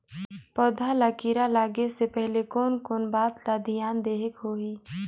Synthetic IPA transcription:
pɔːd̪ʱalakiːɾalaːɡesepɛɦlekoːnkoːnbaːt̪laːd̪ʱijaːnd̪eːɦekɦoːiː

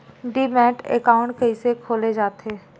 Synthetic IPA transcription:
ɖiːmɛ̃ːʈḛkaːʊ̃ɳʈkəisekʰoːled͡ʒaːt̪eː

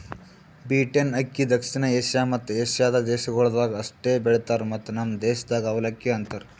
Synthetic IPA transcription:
biːʈenɐkːid̪ɐkʂinɐeːʃjamɐt̪ːeːʃjaːd̪ɐd̪eːʃɐɡoɭd̪aːɡɐsʈebeɭt̪aɾmɐt̪ːnɐmd̪eːʃɐd̪aːɡɐʋɐlɐkːjɐɐnt̪ɐɾ

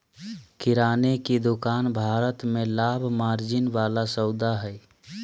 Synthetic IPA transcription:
kɪɾaːneked̪ʊkaːnbʱaːɾət̪mẽlaːbʱmaːɾd͡ʒɪnʋaːlasəʊd̪aɦɛː

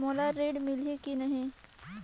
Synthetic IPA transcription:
moːlaɾeːɖmɪlikinɐɦĩ

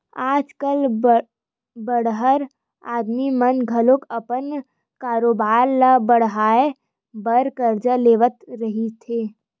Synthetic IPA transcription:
aːd͡ʒkəl | bəɽɦəɾ | aːd̪mimənɡʱɐlokɐpən | kaːɾoːbaːɾlabəɽ̤ɦaːe | bəɾkəɾd͡ʒəleːʋət̪ɾɐɦit̪ʰeː

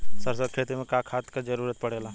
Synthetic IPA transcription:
sɐɾsəd̪̚kʰeːt̪ɾemẽkaːkʰaːt̪kad͡ʒɐɾuːɾət̪̚pɐɽeːlaː

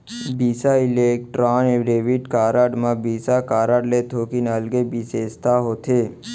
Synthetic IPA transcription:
bisailek̚ʈɾaneɾeʋiʈkaːɾaɖmãbisakaːɾaɽlet̪ʰokinəlɡebisest̪aɦot̪ʰe

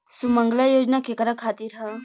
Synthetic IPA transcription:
sumə̃ŋɡlajoːd͡ʒnakekəɾakʰaːt̪iːɾɦɛ̃

